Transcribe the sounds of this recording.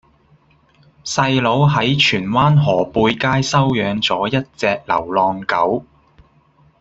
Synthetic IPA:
sɐ˧jlo˨˧˥wɦɐ˨˥jt͡ʃʰyː˨˩nwaː˥nɦɔː˨˩puː˧jkaː˥jsɐ˥wjœː˨˧ŋt͡sɔː˨˥jɐ˥t̚t͡sɛː˧k̚lɐ̰˨˩wlɔː˧ŋkɐ˨˥w

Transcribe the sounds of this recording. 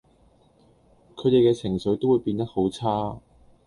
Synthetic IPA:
kʰɵ˨˧ɥt̪e˨jkɛː˧t͡sʰɪ˨˩ŋsɵ˨˧˥jt̪o˥wu˨˧jpiː˧nt̪ɐ˥t̚ho˨˥wt͡sʰaː˥

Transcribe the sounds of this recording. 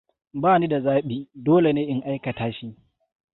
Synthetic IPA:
baː˦˨ni˦da˨zaː˦ɓiː˨doː˦le˨neː˦ʔɪ˦ŋʔa˦jkɐ˨taː˦ʃi˦ʔ

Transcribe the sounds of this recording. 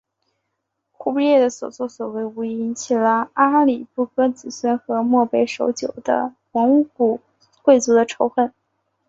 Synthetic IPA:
xu˥˧pi˥˧jɛ˥˩d̪ə˩swɔ̰˨˩swɔ˥˩swɔ˨˩we˧˥˩ɪ˧˥ɪi˧˥nt͡ɕʰi˨˩lə˩˦a˥li˨˩pu˥˩kʰɤ˥t͡sɹ̩˨˩swə˥nxɤ˧˥mwɔ˥˧pe˥˩ɪʂo˧˥ʊt͡ɕjo˨˩ʊd̪ə̰˦xa˧˥nu˥˩ku˨˩ | kwe˥˩ɪt͡su˧˥d̪ə˧ʈ͡ʂʰo˧˥ʊxə˥˩n

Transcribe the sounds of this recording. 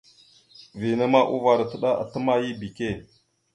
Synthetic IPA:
vi˨na˦ma˦ʔṵ˦va˨ɾa˨tə˦˨ɗa˦ʔa̰˨tə˦ma˦ji˦bi˨ke˦˨

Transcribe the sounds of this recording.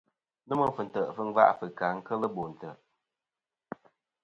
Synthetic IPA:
nə˦mə˨fə˨n̩˨tə˨ʔfə˦ŋ˦va̰˦ʔfə˨ka˨ŋ̩˦kə˦lə˦bo˨n̩˨tə˨ʔ

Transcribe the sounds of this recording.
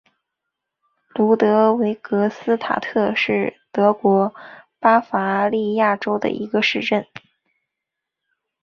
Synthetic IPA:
lu˧˥t̪ɤ˧˥we˧˥ɪkɤ˧˥sɹ̩˥t̪ʰa̰˨˩t̪ʰɤ˥˧ʂɻ̩˥˩t̪ɤ˧˥kwɔ˧˥pa˥fa˧˥li˥˧ja˥˩ʈ͡ʂo˥ʊd̪ə̰˨˩ʔi˧˥ɡə˧ʂɻ̩˥˧ʈ͡ʂə˥˩n

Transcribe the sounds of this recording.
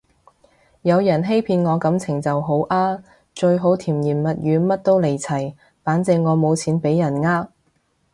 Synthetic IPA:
jɐ˨˧wjɐ˨˩nɦe˥jpʰiː˧nŋɔː˨˧kɐ˨˥mt͡sʰɪ˨˩ŋt͡sɐ˨wɦo˨˥wʔaː˥ | t͡ʃɵ˧ɥɦo˨˥wt̪ʰiː˨˩mjiː˨˩nmɐ˨t̚jyː˨˧mɐ˥t̚t̪o˥wle˨˩jt͡sʰɐ˨˩j | faː˨˥nt͡sɪ˧ŋŋːɔː˨˧mo˨˧wt͡sʰiː˨˥npe˨˧˥jːɐ˨˩nŋaː˥k̚

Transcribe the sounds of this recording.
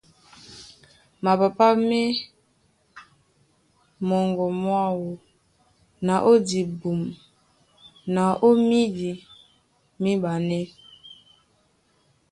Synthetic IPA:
ma˨pa˨pa˦me˦ | mɔ˨ŋɡɔ˨mwa˦˨wo˨ | na˨ʔo˦di˨bu˨m | na˨ʔo˦mi˦di˨ | mi˦ɓa˨nɛ˦

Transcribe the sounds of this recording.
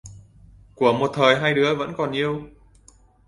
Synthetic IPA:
ku˧˩əmo˨˩t̚t̪ʰəː˨˩jɦaː˧jɗɨ˨˦əvə̰˧˥nkɔ˨˩nʔi˧əw

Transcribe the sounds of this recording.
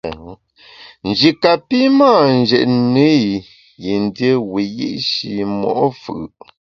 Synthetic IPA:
n̩˨d͡ʒi˨ka˨pi˦maː˦˨n˨d͡ʒɛ̰˨ʔne˦i˨ | ji˨n˦djə˦wi˨jḭ˦ʔʃi˨mɔ̰˨ʔfɯ˨

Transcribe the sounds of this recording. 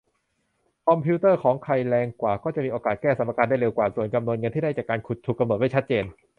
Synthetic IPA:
kʰɔ˧mpʰiː˦˥t̪ɤː˥˩kʰɔː˩˦ŋkʰa˧jlɛː˧ŋkwaː˨˩kɔː˥˩t͡ɕa˨˩ʔmiː˧ʔoː˧kaː˨˩t̪̚kɛː˥˩sa˩˦ma˧kaː˧nda˥˩jɾe˧wkwaː˨˩su˨˩ənka˧mnu˧nŋɤ˧nt̪ʰiː˥˩da˥˩jt͡ɕaː˨˩kːaː˧nkʰu˨˩t̪ʰːu˨˩kːa˧mno˨˩t̪̚ma˥˩t͡ɕʰa˦˥t̪̚t͡ɕeː˧n

